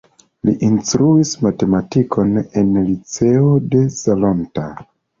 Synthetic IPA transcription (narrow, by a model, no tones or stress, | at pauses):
lḭʔinstɾuismate̞matikʰo̞ne̞nlit͡se̞ode̞zalonta